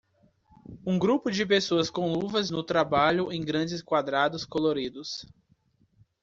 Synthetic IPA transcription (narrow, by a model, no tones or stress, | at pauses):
ũɡɾupʊd͡ʒɪpesoɐskõw̃luvɐznʊt̪ɾabaʎʊʔẽj̃ɡɾɐ̃d͡ʒɪskwad̪ɾad̪ʊskoloɾid̪ʊs